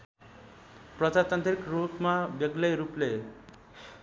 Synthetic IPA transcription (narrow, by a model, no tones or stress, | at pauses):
prʌd͡zat̪ant̪rikrupmabjʌɡlʌjɾuple